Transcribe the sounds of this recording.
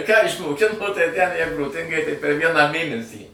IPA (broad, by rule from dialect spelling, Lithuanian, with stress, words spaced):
kɑː ɪʃmoːˈkʲɪnoː tɐɪ tʲæn ˈjɛɪɡʊ ˈtɐɪɡʲɪ tɐɪ pʲɛr ˈʋʲiɛnɑː ˈmʲeːnʲɛsʲiː